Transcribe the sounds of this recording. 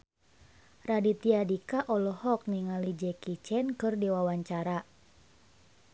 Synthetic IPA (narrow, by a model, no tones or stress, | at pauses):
radit̪iadikaʔɔlɔhɔk̚niŋalid͡ʒɛkit͡ʃɛnkɨrdiwawaɲt͡ʃaɾa